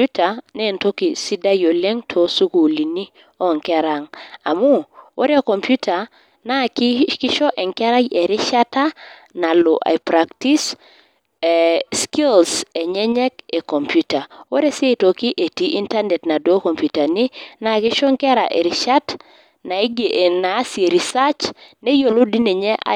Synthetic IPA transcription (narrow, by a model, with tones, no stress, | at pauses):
u˦ta˨ne˦˨nto˦ki˨si˦da˦jo˨le˦ŋtʰo˨su˦ku˨li˨ni˦ | ɔ˦˨ŋkɛ˦ɾa˨ŋa̰˨mu˦wo̰˦ɾe˦ko˨mpju˦ta˨ | na˦ki˦kɪ˦ʃɔ˦ʔɛ˨ŋkɛ˦ɾa˦je˨ɾi˦ʃa˦ta˦ | na˨lo˨ʔa̰˨pɾa˨kti˦s | skɪ˦lsɛ˨ɲɛ˦ɲɛ˦ke˨kɔ˨mpju˦ta˨o˦ɾe˦se˦˨to˨kɪ˦ʔe˨ti˨ʔi˦nta˦nɛ˨tna˨do˦kɔ˨mpju˨ta˨nɪ˦na˦˨kɪ˦ʃɔ˦ŋkɛ˦ɾa̰˨ʔḛ˨ɾɪ˨ʃa˦t | na˨˦ɡna˨˦se˨ɾi˨sa˦t͡ʃne˦jo˨lo˦di˦ne˨ɲɛ˦ʔa̰˨